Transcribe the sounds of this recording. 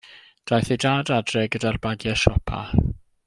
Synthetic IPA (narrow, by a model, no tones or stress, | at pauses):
d̥ajθedaːdadrɛɡədarbaɡjɛʃɔpʰa̰